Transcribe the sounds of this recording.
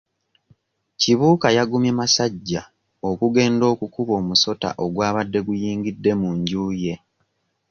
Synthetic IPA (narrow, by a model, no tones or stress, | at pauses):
ciβuːkajaɡumjemasaɟːa | o̞kuɡe̞ːndo̞ːkukuβo̞ːmuso̞ta̰ʔo̞ɡwaːβadːe̞ɡujiːŋɡidːe̞muɲɟuːje̞